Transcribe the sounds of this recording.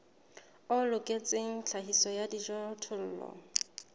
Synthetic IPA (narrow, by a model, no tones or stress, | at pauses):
ʊlʊkʼet͡sʼeŋ̩t͡ɬʰaɦisɔjadiʒɔtʰʊl̩ːlɔ̰